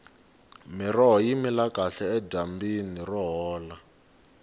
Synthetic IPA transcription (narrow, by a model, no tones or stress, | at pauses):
mirɔɦɔjimilakaɬɛɛɟambinirɔɦɔːla